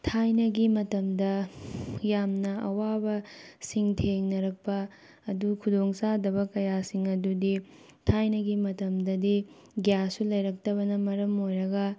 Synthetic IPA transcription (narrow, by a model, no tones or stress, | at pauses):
tʰajnɐɡimɐtɐmdɐ | jamnɐɐ̰wabɐsiŋtʰeŋnɐɾɐk̚pɐː | dukʰudoŋsadɐbɐkɐjasiŋɐdudi | tʰajnɐɡimɐtɐmdɐdi | ɡjasulɐjɾɐk̚tɐbɐnɐmɐɾɐmojɾɐɡɐ